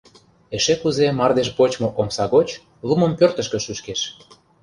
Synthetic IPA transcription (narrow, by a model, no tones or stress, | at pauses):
eʃekuzemɑrd̪eʃ̬pot͡ɕmŏʔomsɑɣot͡ɕ | lˠumə̆mpørt̪ə̆ʃkə̆ʃyʃkeʃ